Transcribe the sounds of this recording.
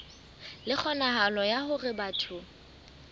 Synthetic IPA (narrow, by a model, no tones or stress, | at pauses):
lɪk͡xʰɔnaɦalɔjahʊrɪbatʰʊ